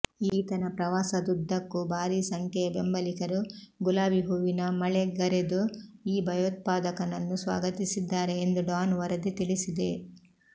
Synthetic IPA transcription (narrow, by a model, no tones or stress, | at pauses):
iːt̪ɐnɐpɾɐʋaːsɐd̪ud̪ʱːɐkːubʱaːɾiːsɐŋkʰɛjɐbe̞mbɐlikɐɾuɡulaːbiɦuʋinɐmɐɭeɡɐɾed̪uiːbʱɐjoːt̪̚paːd̪ɐkɐnɐnːusʋa̰ːɡɐt̪isid̪ːaːɾeːnd̪uɖaːnʋɐɾɐd̪it̪iɭisid̪e̞